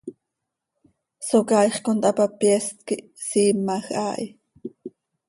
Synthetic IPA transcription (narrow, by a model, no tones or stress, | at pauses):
sokɑːjχkont̪ʔɑpapjɛst̪kiʔ | siːmːaxʔa̰ːʔi